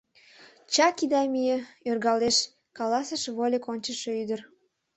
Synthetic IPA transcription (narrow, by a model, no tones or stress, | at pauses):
t͡ɕɑkid̪ɑmijəørɣɑleʃ | kɑlɑsəʃβolʲekonʲt͡ɕəʃøyd̪ər